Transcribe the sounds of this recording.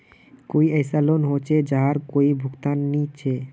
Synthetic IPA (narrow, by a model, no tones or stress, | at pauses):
kojəjsalonɦot͡ɕʰed͡ʑaɦaɾkoibʱukt̪anːit͡ɕʰe